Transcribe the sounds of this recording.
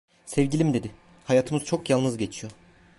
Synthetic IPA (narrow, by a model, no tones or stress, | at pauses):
sɛvɟilʲimid̪e̞d̪ɪ | hajaːt̪ʰɯmɯzt͡ʃʰo̞kjalˠnɯzɟe̞t͡ʃʰijo̞